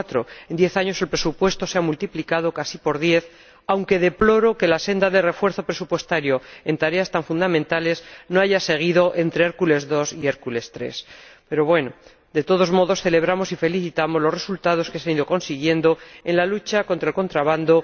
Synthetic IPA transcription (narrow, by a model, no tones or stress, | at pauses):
t̪ɾo̞e̞nd̪je̞θaɲo̞se̞lpɾe̞supwe̞st̪o̞seamult̪iplikað̞o̞kasipo̞ɾðje̞θ | awŋke̞ðe̞plo̞ɾo̞ke̞lase̞nd̪aðe̞lre̞fwe̞ɾθo̞pɾe̞supwe̞st̪aɾjo̞e̞nt̪aɾe̞ast̪aɱfund̪amẽnt̪ale̞zno̞aʝase̞ɣ̞iðo̞ʔe̞nt̪ɾe̞eɾkule̞zðo̞sieɾkule̞st̪ɾe̞̰spe̞ɾo̞βwe̞no̞ | d̪e̞t̪o̞ð̞o̞zmo̞ðo̞sθe̞le̞β̞ɾamo̞sife̞liθit̪amo̞zlo̞zre̞sult̪aðo̞skeseaniðo̞ko̞nsiɣ̞je̞nd̪o̞e̞nlalut͡ʃako̞nt̪ɾaelkont̪ɾaβ̞and̪o̞